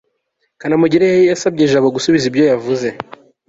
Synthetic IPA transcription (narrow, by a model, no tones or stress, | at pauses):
kanamuɟiɾejejasab̚ɟeʒaːβoɡusuβizibjo̞javuze̞